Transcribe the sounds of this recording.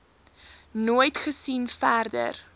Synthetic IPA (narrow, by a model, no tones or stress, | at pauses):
nuːjtχəsinfærdə̰r